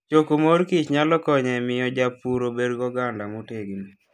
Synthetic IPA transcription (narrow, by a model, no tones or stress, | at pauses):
t͡ʃokomoɾkit͡ʃɲalɔkɔɲɛmɪjɔd͡ʒapuɾobedɡɔɡandamoteɡini